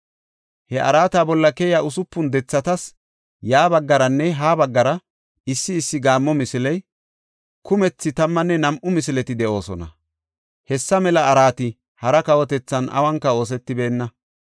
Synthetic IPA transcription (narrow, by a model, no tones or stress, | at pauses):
hɛʔɐ̰ɾaːt̪aːbɔlːɐkɛjaʊsʊpːʊnd̪ɛt͡sːɐt̪ɐs | jaːbɐɡːɐɾɐnːɛɦaːbɐɡːɐɾɐ | ɪsːɪːsːɪɡaːmːɔmɪsɪlɛj | kʊmɛt͡sːɪt̪ɐmːɐnːɛnɐmʔʊmɪsɪlɛt̪ɪd̪ɛʔo̞ːsɔ̰nɐ̰ | hɛsːɐmɛlɐːɾaːt̪ɪ | hɐɾɐkɐwɔt̪ɛt͡sːɐnɐ̰wɐŋkːɐo̞ːs̬ɛt̪ːɪbe̞ːnːɐ